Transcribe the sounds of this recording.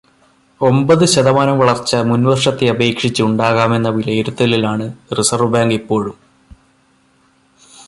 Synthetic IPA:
o̞mbɐðɨɕɐðɐmaːɾɐmʋɐɭɐrt͡ɕːɐmunʋɐrʂɐt̪ːeɐbe̞ːkʂit͡ɕːuuɳɖaːɣaːme̞nːɐʋilɐjiɾut̪ːɐlilaːɳɨrisɐrʋɐbaːŋɡipːo̞ːɻum

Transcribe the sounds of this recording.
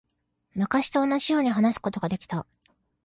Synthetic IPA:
makaɕi̥t̪o̞ːnːaʑijo̞ːɲ̟iɦanasɨ̥ko̞t̪o̞ɡad̪e̞kʲi̥t̪a

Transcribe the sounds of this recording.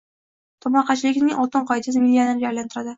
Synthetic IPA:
t̪ʰɒmɑqɑt͡ʃʰɪlɪɡʲɪnɪŋʔɒt̪ɤɴqʰɒjd̪ʰɪzmilʲːioneɾɪd͡ʒaɾlant̪ɪɾad̪ɪ

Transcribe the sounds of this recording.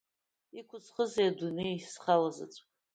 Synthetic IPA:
ikʷʰʊt͡sʰχəzejadunejsχalaza̰t͡sʷʼ

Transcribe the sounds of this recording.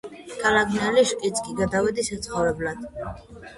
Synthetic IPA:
kʰalaɡʰʼnɛliʃkʼit̪sʼkʼiɡad̪avɛd̪isat̪sʰχɔvɾɛblad̪̥

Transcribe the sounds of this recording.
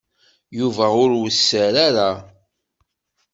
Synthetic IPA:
juvæʊɾwəsːəɾaɾa

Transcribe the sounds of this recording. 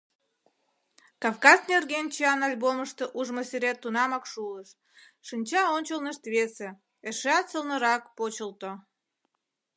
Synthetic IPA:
kɑvkɑznerɣent͡ɕiɑnɑlʲboməʃt̪əʔuʒmosyɾet̪ːunɑmɑkʃuləʃ | ʃɨnʲt͡ɕɑonʲt͡ɕəlnəʃt̪βese | eʃeɑt̪səlnəɾɑkpot͡ɕəlt̪o

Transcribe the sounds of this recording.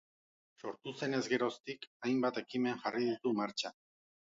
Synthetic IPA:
so̞ɾt̪use̞ne̞zɡe̞ɾo̞st̪ikajmbat̪e̞kimenʝariðit̪umaɾt͡ʃa

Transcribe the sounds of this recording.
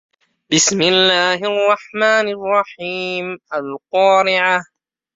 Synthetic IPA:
bɪsmɪlːaːhʔɑrˤːɑħmaːnarˤːɑħiːmʔalqɑːɾɪʕa

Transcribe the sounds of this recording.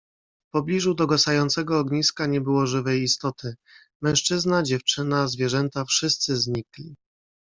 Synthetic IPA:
fpɔblʲiʐud̪ɔɡɔsajɔnt̪sɛɡɔːɡɲiskaɲɛbɘwɔʐɘvɛjist̪ɔt̪ʰɘ | mɛ̃w̃ʂt͡ʂɘznad͡ʑɛft͡ʂɘnazvʲjɛʐɛnt̪afʂɘst̪sɘzɲiklʲi

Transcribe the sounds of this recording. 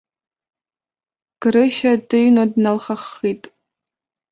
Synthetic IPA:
ɡ̥ɾɨʃadɨɥnodnalχaχːitʼ

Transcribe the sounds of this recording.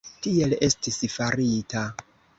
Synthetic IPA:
tie̞le̞stisfaɾita

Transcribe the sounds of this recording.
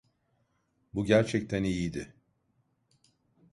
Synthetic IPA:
buɟæɾt͡ʃʰɛc̚t̪ʰænijid̪ɪ

